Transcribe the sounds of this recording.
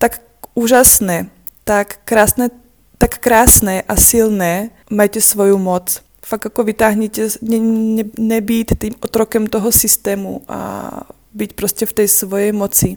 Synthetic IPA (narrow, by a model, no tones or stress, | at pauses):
t̪ak | uːʒasnɛ | t̪akːɾaːsnɛ | t̪akːɾaːsnɛʔasilnɛː | majcɛsʋɔjumɔt͡s | faɡakɔʋit̪aːɦɲicɛɲɛɛɲɛbiːtt̪iːmɔt̪ɾɔkɛmt̪ɔɦɔsist̪ɛːmṵʔa̰ | bicpɾɔscɛft̪ɛjsʋɔjɛjmɔt͡si